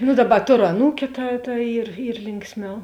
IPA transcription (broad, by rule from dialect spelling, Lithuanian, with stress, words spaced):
nʊ ˈdɑːˌbɐ ˈtoːrʊ ɐˈnuːkʲʊ tɐ tɐ ˈiːr ˈiːr ˈlʲɪŋksʲˌmʲɛʊ